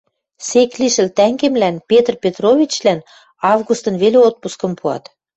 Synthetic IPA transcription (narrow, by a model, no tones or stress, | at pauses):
sekliʃə̆lt̪æŋɡemlænpʲet̪rpʲet̪rovʲit͡ɕlæn | ɑvɣust̪ɤ̆nveleot̪̚puskɤ̆mpuɑ̰t̪